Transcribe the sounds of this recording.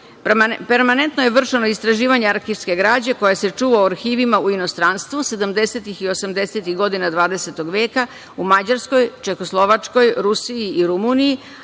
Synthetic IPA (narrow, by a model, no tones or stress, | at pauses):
peɾmane̞nt̪nojeʋr̩ʂenoist̪ɾaʒiːʋaɲeaɾxiːʋske̞ɡɾaːd͡ʑe̞ko̞jase̞t͡ʂuːʋaoaɾxiːʋimauino̞st̪ɾanst̪ʋuse̞d̪amd̪e̞set̪ixio̞samd̪e̞set̪iɣɡo̞d̪inad̪ʋaːd̪e̞set̪o̞ɡʋeːka | umad͡ʑaɾsko̞jt͡ʃexoslˠo̞ʋat͡ʂko̞jɾusiiiɾumuniji